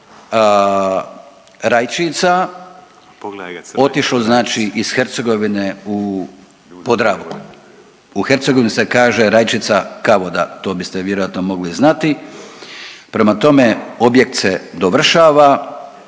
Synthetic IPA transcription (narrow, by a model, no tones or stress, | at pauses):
ɾajt͡ʃit̪sa | o̞t̪iʃloznaːt͡ʃiʔisxeɾt̪se̞ɡo̞ʋineu | po̞d̪ɾaʋ | uxe̞ɾt̪seɡoʋinisekaːʒe̞ɾajt͡ʃit̪sakaʋod̪a̰t̪o̞ːbist̪e̞ʋjeɾojat̪nomo̞ɡliznat̪i | pɾe̞mat̪o̞me̞o̞bje̞k̚t̪sed̪oʋr̩ʃaːʋa